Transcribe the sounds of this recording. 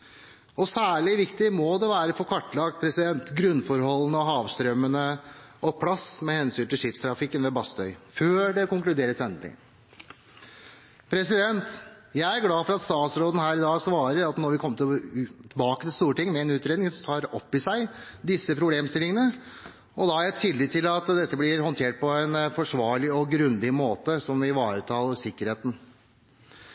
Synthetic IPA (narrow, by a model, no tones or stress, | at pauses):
ɔsæːɭɪʋɪkt̪ɪmɔd̪ɛʋæːɾəfɔɾkʰɑʈːlɑkt̪pʰɾɛsɪd̪ɛnt̪ɡɾʉnːfɔɾhɔlːənəɔɦɑːʋst̪ɾœmːənəɔpʰɽɑsmɛhɛnsyːnt̪ʰɪlʂɪpst̪ʰɾɑfɪkːənʋɛbɑst̪œʏføːɖɛkʊŋklʉd̪eːɾəsɛnlɪ̰ŋ | pʰɾɛsɪd̪ɛnt̪ | jæɪæɾɡlɑːfɔɾɑt̪st̪ɑːt̪sɾoːd̪ən̩hæːɾɪd̪ɑːsʋɑːɾəɾɑt̪nɔɾʋɪkʰɔmːət̪ɪt̪ʰɪbɑːkət̪ʰɪlst̪uːɾəʈɪŋːmɛɛːnʉːt̪ɾeːd̪nɪŋssɔt̪ʰɑːɾɔpːɪsæɪd̪ɪsːəpʰɾʊbleːmst̪ɪlɪŋənə | ɔd̪ɑæɾɛt̪ʰːɪlːɪt̪ʰɪlɑt̪d̪ɛt̪ːəblɪɾhɔnt̪ʰeːʈ̚pʰɔæɪnfɔʂʋɑːɭɪɔɡɾʉnd̪ɪmoːt̪əsɔmʋɪʋɑːɾət̪ʰɑːləsɪkːəɾheːt̪n̩